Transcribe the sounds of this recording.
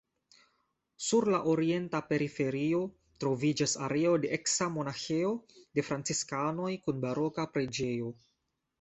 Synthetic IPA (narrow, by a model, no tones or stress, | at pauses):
suɾlaʔoɾie̞ntape̞ɾife̞ɾio̞ | tɾo̞vid͡ʒasa̰ɾeo̞de̞ʔeksamo̞naxeo̞de̞fɾant͡siskano̞jkunbaɾo̞kapɾe̞d͡ʒe̞o̞